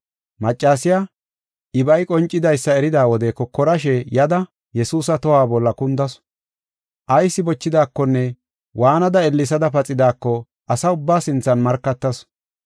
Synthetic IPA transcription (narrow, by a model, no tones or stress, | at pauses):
mɐt͡ʃʼːaːsɪja | ʔɪbɐjkʼɔnt͡ʃʼːɪd̪ɐjsːɐɛɾɪd̪aːwɔd̪ɛkːɔkːɔɾɐʃ̬ɛjɐd̪ɐ | jɛsuːsɐt̪ɔhaːbɔlːɐkʊnd̪ɐs | ʔɐjsːɪbɔt͡ʃːɪd̪aːkːɔnːɛ | wʔaːnɐd̪ɐɛlːɪs̬ɐd̪ɐpɐt͡sʼɪd̪aːkːɔ | ʔɐsɐʊbːaːsɪnt͡sːɐnmɐɾkːɐt̪ːɐs